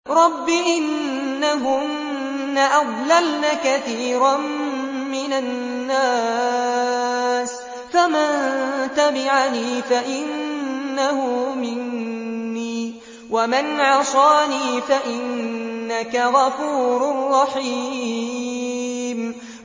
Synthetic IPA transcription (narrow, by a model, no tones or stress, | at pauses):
ɾˤɑbːiʔɪnː | aɦʊnː | aʔɑðˤlalnakaθiːɾammːɪnanː | aː | s | famant̪abɪʕaniːfaʔɪnːahʊmɪnː | iː | wamɪnʕɑsˤɑːniːfaʔɪnːakaɣɑfuːɾrːɑħi | m